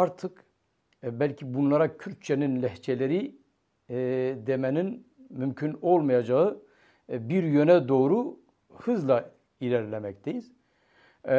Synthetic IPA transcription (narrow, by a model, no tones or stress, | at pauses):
aɾt̪ʰɯk | bælʲcʰibunlˠaɾacʰyɾct͡ʃʰɛninlʲɛht͡ʃʰɛlʲeɾi | d̪emɛninmymcʰyno̞lˠmajad͡ʒaɯ | biɾjønɛd̪o̞ːɾu | hɯzlˠa | ilʲæɾlʲɛmɛc̚t̪ʰejiz̥